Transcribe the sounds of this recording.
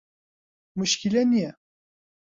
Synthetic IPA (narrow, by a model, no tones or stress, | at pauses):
muʃkʲilɛmijɛ